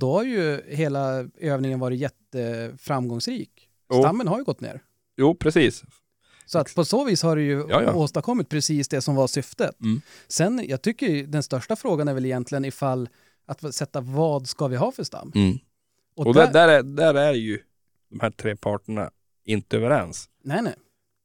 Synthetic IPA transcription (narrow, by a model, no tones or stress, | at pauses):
d̪̥ɔhaɾjɵɦeːlaøːvnɪŋənvɑːɾɪt̪jɛt̪ːəfɾamːɡɔŋsɾiːk | st̪amːənɦaɾjɵɡɔt̪ːnḛːɾ | juːpʰɾɛsiːs | sɔat̪ːpʰɔsoːviːshaɖɛjɵ̰oːst̪aɾkʰɔmːɪt̪̚pʰɾɛsiːsd̪ɛsɔmvasʏft̪ət̪sɛnjɑːɡ̚t̪ʰʏkːəɾd̪ɛnst̪œʂʈafɾoːɡanæɾvɛlɪjɛnt̪lɪɡənɪfalː | at̪sɛt̪ːavɑːd̪skavɪɦɑːfœʂt̪a̰mː | ɔɔd̪ɛd̪æɾæd̪æɾæɾjɵ | d̪̥ɔmhæʈʰɾeːpʰɑːʈəɳa̰ | ɪnt̪əøːvəɾɛ̰ns | nɛɪnɛɪ